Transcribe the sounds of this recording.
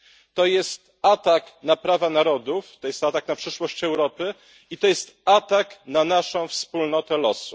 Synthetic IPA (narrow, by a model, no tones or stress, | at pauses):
t̪ɔjɛst̪ | at̪aknapɾavanaɾɔd̪uft̪ɔjɛst̪at̪aknapʂɘʂwɔɕt͡ɕɛwɾɔpɘ | it̪ɔjɛst̪at̪aknanaʂɔ̃w̃fspulnɔt̪ɛlɔsu